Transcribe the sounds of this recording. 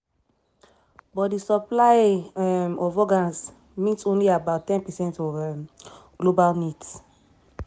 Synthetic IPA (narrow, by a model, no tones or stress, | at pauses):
bɔt̚disɔplaɪɛmɔvɔɡãns | mitsõnliabaʊtːɛ̃npɛsɛ̃ntɔvɛmɡ̥lobalnits